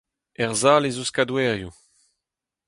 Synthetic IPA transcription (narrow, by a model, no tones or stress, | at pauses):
ɛʁzaːlezuskadwɛːʁju